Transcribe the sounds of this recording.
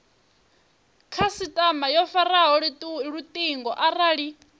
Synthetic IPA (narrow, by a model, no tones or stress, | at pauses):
kʰasitʼamajɔfaraɦɔɺɺut̪ʼiŋɡɔʔaraːɺi